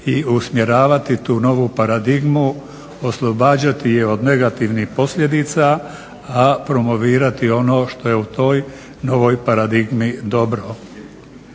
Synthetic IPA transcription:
iusmje̞ɾaːʋat̪it̪uːno̞ʋupaɾad̪iɡmu | oslˠo̞baːd͡ʑat̪ijeo̞d̪ne̞ɡat̪iʋnixpo̞slʎje̞d̪iːt̪saː | pɾo̞mo̞ʋiːɾat̪io̞no̞ːʃt̪o̞je̞ut̪o̞ːj | no̞ʋo̞jpaɾad̪iɡmid̪o̞bɾo

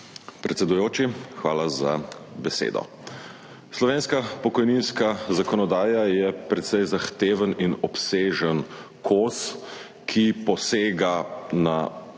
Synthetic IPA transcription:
pɾɛt̪sɛd̪ujoːt͡ʃixʋaːlaza̰bɛsḛːd̪ɔ̰ | slɔʋeːnskapɔkɔjninskazakɔnɔd̪aːjajɛpɾɛt̪sɛjzaxt̪eːʋəninɔpseːʒən | kʰoːs | kʰipɔseːɡana

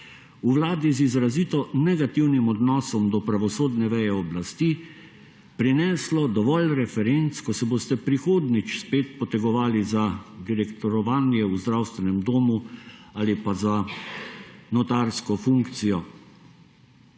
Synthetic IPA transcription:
uʋlaːd̪izizɾazit̪ɔnɛɡat̪iwnimɔd̪nɔːsɔmd̪ɔpɾaʋɔsoːd̪nɛʋɛjɛɔblast̪iː | pɾinɛːslɔd̪ɔʋɔlɾɛfɛɾent̪skɔsɛboːst̪ɛpɾixoːd̪nit͡ʃspeːt̪̚pɔt̪ɛɡɔʋaːlizad̪iɾɛkt̪ɔɾɔʋaːnjɛuzd̪ɾawst̪ʋɛnɛmd̪oːmuaːlipaza | nɔt̪aɾskɔfuŋkt̪sijɔ

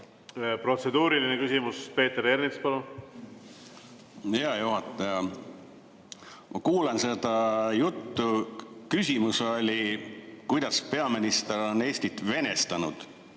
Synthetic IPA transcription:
pro̞t̪se̞d̪uːɾilinekysʲimuspe̞ːt̪ːeɾeɾnispɑlun | hjɑjuɦɑt̪ːˑɑjɑ | mʔɑkuːlense̞d̪̥ɑjut̪ːukysʲimuso̞lʲikujd̪̥ɑspe̞ɑminist̪eɾo̞ne̞ːsʲt̪it̪ːˑve̞ne̞st̪ɑnṵd̪̥

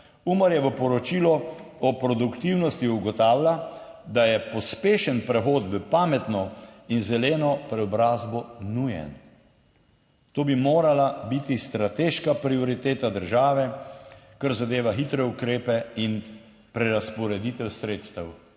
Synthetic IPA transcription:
uməɾjɛʋəpɔɾɔt͡ʃilɔɔpɾɔd̪ukt̪iwnɔst̪juɡɔt̪aːwlad̪ajɛpɔspeːʃənpɾɛxoːt̪ʋəpaːmɛt̪nɔinzɛleːnɔpɾɛɔbɾaːzbɔnujɛ̰n | t̪oːbimoːɾalabit̪ist̪ɾat̪eːʃkapɾiɔɾit̪eːt̪ad̪əɾʒaːʋɛ | kaɾzad̪eːʋaxit̪ɾɛukɾeːpɛin | pɾɛɾaspɔɾɛd̪it̪ɛwsɾeːt̪st̪ɐw

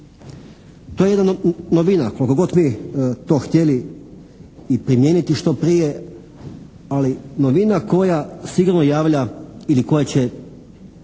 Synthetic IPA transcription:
t̪ojee̞d̪nanoʋinako̞likoɡo̞t̪miet̪o̞ːxt̪ʲjeli | pɾimjeːnit̪iʃt̪o̞pɾije | alinoʋinako̞jasiɡuɾnojaːʋʎailiko̞jat͡ɕe

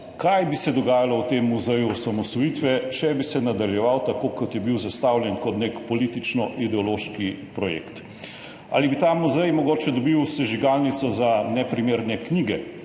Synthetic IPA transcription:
kajbisɛd̪ɔɡaːjalɔwt̪eːmːuzɛjuɔsamɔsɔjit̪ʋɛʃɛbisɛnad̪aljɛʋawt̪akokɔt̪jɛbiwzast̪awljɛnkɔt̪nekpɔliːt̪it͡ʃnɔʔid̪ɛɔloːʃkipɾɔjḛkt̪ | a̰ːlibit̪amuzɛjmɔɡoːt͡ʃɛd̪ɔbiwsɛʒiɡalnit̪sɔzanɛpɾimeɾnɛkniːɡɛ

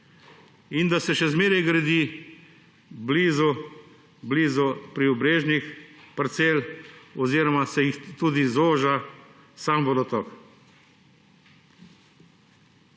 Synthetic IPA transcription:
ind̪asɛʃɛzmeːɾɛjɡɾɛd̪i | bliːzɔ | bliːzɔpɾiɔbɾeːʒnixpɐɾt̪seːlɔziːɾɔmasɛjixt̪uːd̪izoːʒa | samʋɔd̪ɔt̪ɔk

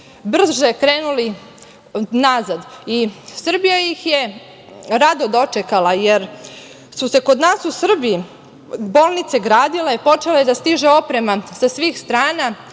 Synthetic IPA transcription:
br̩ʒe̞kɾeːnuli | nazad̪isr̩bijajixje̞ | ɾad̪o̞d̪o̞t͡ʃekalaje̞ɾ | suse̞ko̞d̪naːsusr̩bii | bo̞ːlˠnit̪se̞ɡɾaːd̪ilepo̞t͡ʃe̞lejed̪ast̪iʒe̞o̞pɾe̞masasʋiːxst̪ɾaːna

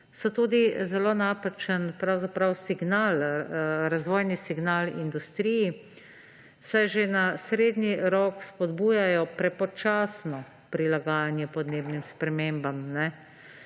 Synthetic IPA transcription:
sɔt̪uːd̪izɛloːnaːpat͡ʃənpɾawzapɾawsiɡnaːlɾazʋoːjnisiɡnaːlind̪ust̪ɾiji | sajʒenasɾeːd̪niɾɔːkspɔd̪buːjajɔpɾɛpɔt͡ʃaːsnɔ | pɾilaɡaːjanjɛpɔd̪neːbnimspɾɛmeːmbamnɛ

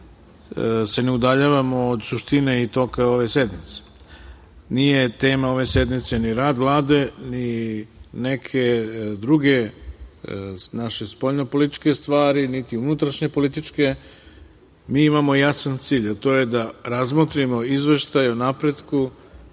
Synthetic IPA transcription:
se̞ne̞ud̪aʎaʋamoːd̪suʃt̪ine̞it̪o̞kao̞ʋe̞se̞d̪mit̪se̥ | nije̞t̪e̞ːmao̞ʋe̞se̞d̪mit̪se̞niɾaːd̪ʋlˠaːd̪eni | ne̞kʰe̞d̪ɾuɡe̞ | naʃe̞spoʎnopo̞lit̪i̥t͡ʃke̞st̪ʋaːɾinit̪iunut̪ɾaʃɲe̞po̞lit̪it͡ʃke̞ | miːimamo̞jasant̪siːʎat̪o̞je̞d̪aɾazmot̪ɾimo̞izʋe̞ʃt̪ajonapɾe̞d̪ku

